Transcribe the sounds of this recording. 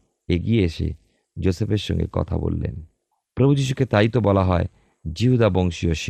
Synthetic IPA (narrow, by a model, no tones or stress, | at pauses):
eɡieeʃḛ | d͡ʑosepeɾʃɔ̰ŋɡḛkɔ̰t̪ʰa̰bo̰lːḛn | pɾobʱud͡ʑiʃ̬uket̪ajt̪obɔlaɦɔe | d͡ʑiɦud̪aboŋʃioʃi